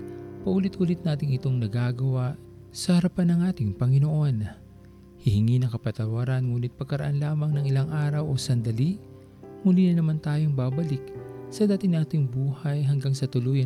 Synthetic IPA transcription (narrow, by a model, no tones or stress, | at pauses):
pɐʔuːlɪt̪ʔuːlɪt̪̚naːt̪ɪŋɪt̪o̞ŋnɐɡaːɡɐwaʔ | sɐhɐɾɐpanːɐŋʔaːt̪ɪŋpɐŋɪnoʔo̞n | hɪhɪŋinɐŋkɐpɐt̪ɐwaɾɐnŋuːnɪt̪̚pɐɡkːɐɾɐʔanlaːmɐŋnɐŋʔɪlaŋʔaːɾɐwʔo̞sɐnd̪ɐliʔ | mulinɐnɐmant̪aːjo̞ŋbaːbɐlɪk̚sɐd̪aːt̪ɪnaːt̪ɪŋbuːhɐjɦɐŋɡaŋsɐt̪ʊloj